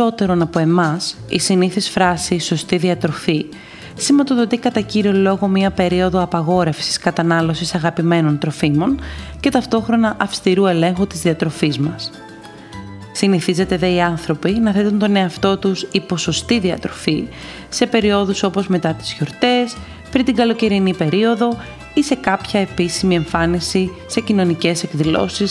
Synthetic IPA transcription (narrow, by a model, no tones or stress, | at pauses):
o̞t̪e̞ɾo̞nɐpoe̞mɐsḭsiniθisfɾɐsiso̞st̪iðiɐt̪ɾo̞fi | simvɐt̪oðo̞t̪ikɐt̪ɐciɾio̞lo̞ɣo̞mɲɐpe̞ɾio̞ðo̞ɐpɐɣo̞ɾe̞fsi̥skɐt̪ɐnɐlo̞sisɐɣɐpime̞no̞nt̪ɾo̞fimo̞nce̞t̪ɐft̪o̞xɾo̞nɐʔɐfst̪iɾue̞le̞ŋxut̪izðiɐt̪ɾo̞fizmɐs | siniθize̞t̪e̞ðe̞iɐnθɾo̞pinɐθet̪unt̪o̞ne̞ɐft̪o̞t̪usipo̞so̞st̪iðiɐ̰t̪ɾo̞fi | se̞pe̞ɾio̞ðuso̞po̞zme̞t̪ɐt̪i̥zço̞ɾt̪e̞s | pɾint̪iɡɐlo̞ce̞ɾinipe̞ɾio̞ðo̞ | ise̞kɐpçɐe̞pisimie̞ɱfɐnisi | se̞cino̞nice̞se̞kðilo̞̰sis